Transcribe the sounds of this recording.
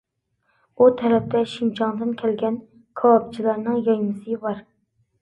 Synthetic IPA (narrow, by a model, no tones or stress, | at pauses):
ut̪ʰɛɾɛp̚t̪ɛʃimt͡ʃʰɑŋd̪ɨnkʲʰɛlɡʲɛn | kʰɑːp̚t͡ʃʰilˠɑɾnɨŋjɑjmɨsɨbɑɾ